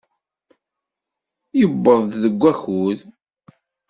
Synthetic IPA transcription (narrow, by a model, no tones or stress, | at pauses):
jəbːəðˤdðəɡʷːæxuð